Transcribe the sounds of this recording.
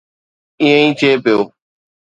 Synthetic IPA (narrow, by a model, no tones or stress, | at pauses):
ĩːə̃ĩːt͡ʃʰeːpɪjoː